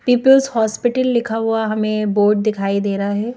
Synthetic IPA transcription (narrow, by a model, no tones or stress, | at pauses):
piːpəlzhɔːspɪʈəlːɪkʰaɦuaɦɐmẽboːɾɖ̚d̪ɪkʰaːid̪eːɾaɦɛː